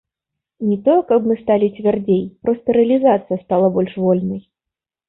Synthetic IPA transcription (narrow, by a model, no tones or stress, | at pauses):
nʲɛt̪ɔjɛkɐpmɨst̪alʲit͡sʲvʲard͡zʲejpɾɔst̪ɐɾɛɐlʲizat̪sɨjɐst̪alˠɐbɔlʲʂvɔlʲnɐj